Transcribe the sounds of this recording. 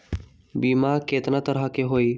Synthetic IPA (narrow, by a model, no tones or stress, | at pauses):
bimaket̪ɾat̪əɾakeɦoi